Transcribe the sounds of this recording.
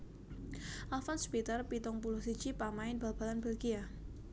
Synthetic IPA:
ʔalfɔnspit̪ərpit̪ʊŋpulʊhsi̥t͡ʃipamaɪnb̥a̤b̥a̤lanbɛlɡia

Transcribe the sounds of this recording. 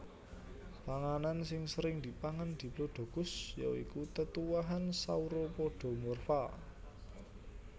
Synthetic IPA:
paŋanansɪŋsəɾɪŋd̪̥i̤paŋand̪̥i̤bloɖ̪̥o̤ɡ̥ʊ̤sja̰wikut̪ət̪uwaɦansauɾopoɖ̥ɔ̤mɔrfa

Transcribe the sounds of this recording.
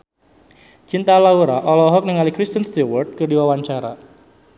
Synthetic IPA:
t͡ʃint̪alauɾaʔɔlɔɦɔk̚nɪŋalikɾist̪ənst̪iwɔrd̪̚kərdiwawaɲt͡ʃaɾa̰

